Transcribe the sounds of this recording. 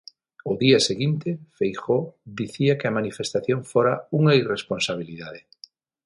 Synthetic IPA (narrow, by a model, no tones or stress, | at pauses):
ʊðiɐseɣint̪ɪfejxod̪iθiɐkɪɐmanifest̪aθjoŋfoɾauŋairesponsaβ̞iliðaðɪ